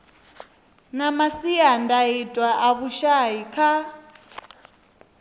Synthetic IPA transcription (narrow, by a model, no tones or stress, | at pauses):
namasiandaitʼwaʔaβuʃaikʰa